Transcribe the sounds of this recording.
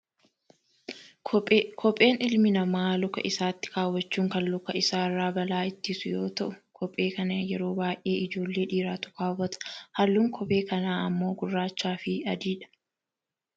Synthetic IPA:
kʰɔpʼe̞ːnɪlmɪnɐmaːlʊkɐ̰ʔɪsaːt̪ːɪ̥kaːwːɐt͡ʃːuːŋkɐnlʊkɐɪsaːɪrːaːbɐlaːɪt̪ːɪsʊjo̞̰ːt̪ɐʔʊkʰɔpʼːe̞ːkɐnɐjɛɾoːbaːjʔe̞ːɪd͡ʒo̞ːlːe̞ːᶑiːɾaːt̪ʊ̥kaːwɐt̪ɐ̥hɐlːuːŋkʰɔpʼe̞ːkɐnaːɐmːo̞ːɡʊrːaːt͡ʃːaːfɪɐd̪iːᶑɐ̥

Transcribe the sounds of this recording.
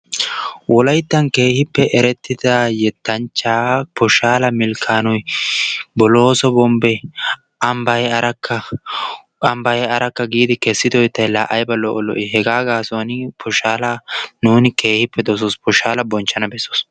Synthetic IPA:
wɔlɐjt̪ːɐnke̞ːhɪpːɛʔɛɾɛt̪ːɪd̪ɐjɛt̪ːɐnt͡ʃːaːpɔʃaːlɐmɪlkʰːaːnɔj | bɔloːsɔbɔmbɛ | ʔɐmbɐɛɐɾɐkːɐ | ɐmbɐjɛɐɾɐkːɐɡiːd̪ɪkɛsːɪd̪ɔjt̪ːɐjlaʔɐjbɐlɔʔɔlɔ̰ʔɪɦɛɡaːɡaːsɔnɪpʰɔʃaːlɐnuːnɪke̞ːhɪpːɛd̪ɔs̬ɔspɔʃaːlɐbɔnt͡ʃːɐnɐbɛsːɔs

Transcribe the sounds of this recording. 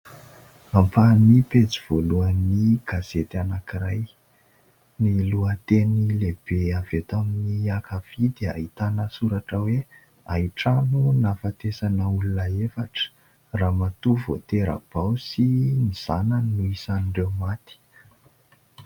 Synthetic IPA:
ampanipet͡siv̥oluəniɡ̥az̥et̪anakiraj | niluət̪enileb̥eavet̪aminiakav̥id̪ia̰ɦit̪anəsuɾaʈ͡ʂəwe | aiʈ͡ʂanunafat̪esanəulunəefaʈ͡ʂə̥ | raːmat̪uvot̪eɾa̰b̥awsiniz̥anannuisaniɳɖ͡ʐewmat̪i̥

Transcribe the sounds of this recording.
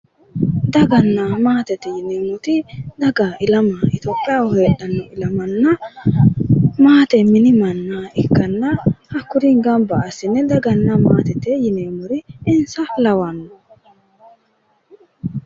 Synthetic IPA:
d̪ɐɡɐnːamaːt̪ɛt̪ɛjɪneːmʊt̪ɪd̪ɐɡaːɪlɐmaːɪt̪oːpʼːɪjaːwɔheːɗɐnːɔɪlɐmɐnːɐ | maːt̪ɛmɪnɪmɐnːaɪkːɐnːɐhɐkːʊɾiŋɡɐmbɐːsɪnːɛd̪ɐɡɐnːɐmaːt̪ɛt̪ɛjɪneːmʊɾɪɪnsɐlɐwɐnːɔ

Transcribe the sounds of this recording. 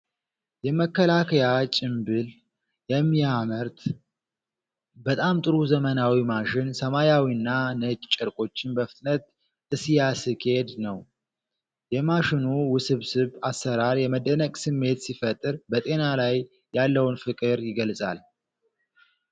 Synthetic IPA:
jɛməkːəlakʰəjat͡ʃʼɪmbɨl | jɛmːiaməɾt̪ | bət̪ʼamt̪ʼɨɾuzəmənawimaʃɪnsəmajawinːanət͡ʃʼt͡ʃʼːɨɾkʼo̞t͡ʃːɪnbəfɨt̪ʼnət̪ | ʔɨsijasɨke̞d̪nəw | jɛmaʃɪnuwʊsɨβsɨβasːəɾaɾjɛməd̪ənəkʼsɨmːe̞t̪sifət̪ʼːɨɾbət̪ʼe̞nalajː | alːəwnfɨkʼɨɾjɪɡəlsʼa̰l

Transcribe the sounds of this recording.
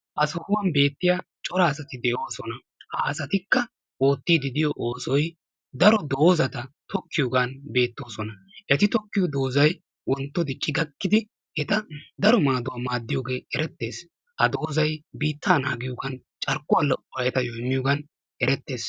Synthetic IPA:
ʔɐsɔhʊwɐnbe̞ːt̪ːɪjaːt͡ʃʼɔɾaːsɐt̪ɪd̪ɛjoːsɔnɐ | haɐsɐt̪ɪkːɐ | o̞ːt̪ːiːd̪ɪd̪ɪjɔʔoːsɔj | d̪ɐɾɔd̪o̞ːzɐt̪ɐt̪ɔkːɪjɔːɡanbe̞ːt̪ːo̞ːsɔnɐ | ʔɛt̪ɪt̪ɔkːɪjɔd̪o̞ːzɐj | wʔɔnt̪ːɔd̪ɪt͡ʃʼːɪɡɐkːɪd̪ɪ | hɛt̪ɐd̪ɐɾɔmaːd̪ʊwaːmaːd̪ːɪjoːɡe̞ːɛɾɛt̪ːe̞ːs | hɐd̪o̞ːzɐjbiːt̪ːaːnaːɡɪjoːɡɐn | t͡ʃʼɐɾkʼːʊwɐlɔʔɔwɐɛt̪ɐjɔɪmːɪjɔɡɐn | ʔɛɾɛt̪ːe̞ːs

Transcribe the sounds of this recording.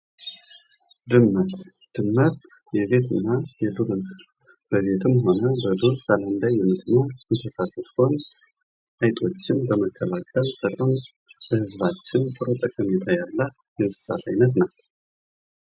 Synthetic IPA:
d̪ɨmːət̪ | d̪̥ɨmːət̪ | jɛβe̞t̪ʰɨnːajɛd̪uɾɨn | bəβe̞t̪ʰɨmɦo̞nəbəd̪uɾk̪aland̪ajːɛmɨt̪nəwɨnsəsasəfkʰon | ʔajt̪ʼo̞t͡ʃːɪnbəməkʰːəlakʰʼəlt̪ʰət̪ʼəm | bəhɨzβat͡ʃːɪnt̪ʼɨɾot̪ʼəkʼəmet̪ʰajalːa | jɛnsɨ̥sa̰t̪a̰jnət̪̬naw

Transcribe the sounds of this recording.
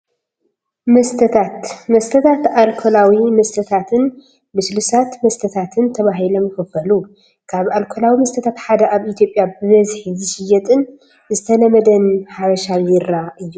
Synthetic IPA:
mɐst̪ʰɐt̪ʰat̪mɐst̪ʰɐt̪ʰat̪alkʰolawimɐst̪ʰɐt̪ʰat̪ʰɨn | bɨslɨsat̪mɐst̪ʰɐt̪ʰat̪ʰɨnt̪ʰɐβaɦilomjɪxɨfɐlu | kʰaβalkʰolawimɐst̪ʰɐt̪ʰat̪ħad̪ɐaβit̪ʰjo̞pʼjabɨβɐzħizɨʃɪjɛt̪ʼɨn | zɨt̪ʰɐlɐmɐd̪ɐnħaβɐʃaɪɾaʔɨjːu

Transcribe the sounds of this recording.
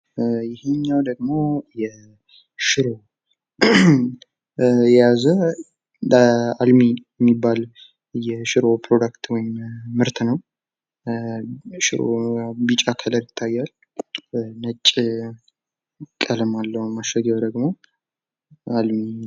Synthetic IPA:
jɪheɲːawd̪əɡmo̞jɛ | ʃɪɾo̞ | jɛjazə | almijɛmːibːal | jɛʃɪɾo̞pʰɾo̞d̪akt̪wɔjɪmːɨɾt̪ʰnəw | ʃɪ̰ɾo̰bit͡ʃʼakʰələɾjɪt̪ʰːajːal | nət͡ʃʼː | kʼələmalːəhmaʃəɡəwd̪əɡmo̞ | almi

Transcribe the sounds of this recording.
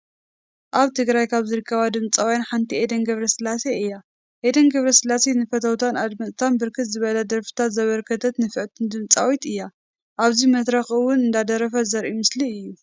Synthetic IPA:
ʔaβt̪ʰɨɡɾajkʰaβzɨɾɨkːɐβad̪ɨmt͡sʼawjanħant̪ʰied̪ɐnɡɐβɾɐsɨlaseɨjːa | ʔed̪ɐnɡɐβɾɐsɨlasenɨfɐt̪ʰɐwt̪ʰanad̪mɐtt̪ʰanbɨɾkʰɨt̪zɨβɐlɐd̪ɐɾfɨ̥t̪ʰat̪zɐβɐɾkʰɐt̪ʰɐt̪nɨfɨʕt̪ʰɨnd̪ɨmt͡sʼawit̪ɨjːa | ʔaβzimɐt̪ɾɐxɨwʊnɨnd̪ad̪ɐɾɐfɐzɐɾʔimɨsliɨjːu

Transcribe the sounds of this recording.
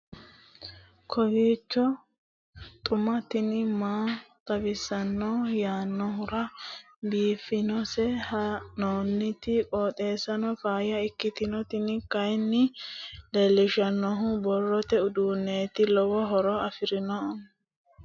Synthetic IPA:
kʰɔbiːt͡ʃːɔ | t̪ʼʊmɐt̪ɪnɪmaːt̪ʼɐbɪsɐnːɔjaːnːɔɦʊɾɐ | biːfɪnɔsɛhɐnoːnːɪt̪ɪkʼoːt̪ʼe̞ːsɐnɔfaːjɐɪkːɪt̪ɪnɔt̪ɪnɪkɐjnːɪlelːɪʃɐnːɔɦʊbɔrːɔt̪ɛʊd̪uːnːeːt̪ɪlɔwɔɦɔɾɔɐfɪɾɪnɔn

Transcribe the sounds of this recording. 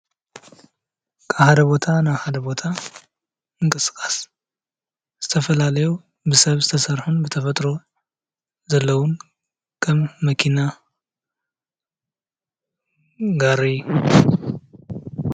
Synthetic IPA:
kʰaβhad̪ɐbo̞t̪ʰanaβhad̪ɐbo̞t̪ʰa | mɨŋkʼɨsɨ̥kʼas | z̥ɨt̪ʰɐfɐlalɐju | bɨsɐβzɨt̪ʰɐsɐɾħunbɨt̪ʰɐfɐt̪ʼɾo̞ | zɐlːɐwʊn | kʰɐmːɐkʰina | ɡaɾi

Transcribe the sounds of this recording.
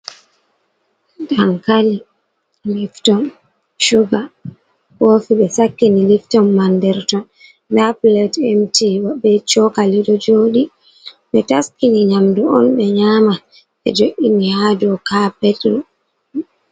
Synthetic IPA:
daŋkali | liftɔn | ʃuɡa | wofiɓɛsakːiniliftɔmːandɛɾtɔn | naplɛtɛmtiwaɓɛt͡ʃɔkaliɗɔd͡ʒoːɗi | ɓɛtaskiniɲamduɔnɓɛɲaːma | ɓɛ̰d͡ʒoʔʲinihadɔkapɛtɾɔ

